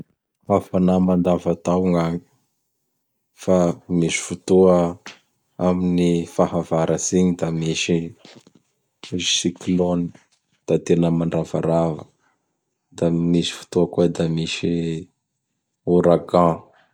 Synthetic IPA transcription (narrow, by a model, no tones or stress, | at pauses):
afanamand̪avat̪awŋaŋi̥ | famiʃi̥fut̪uə | aminifaɦavaɾəsiɲid̪amiʃi | i̥sikloni | d̪̥at̪enəmaɳɖ͡ʐava̰ɾavə̰ | d̪amisi̥fu̥t̪uəkued̪amiʃi | uɾaɡã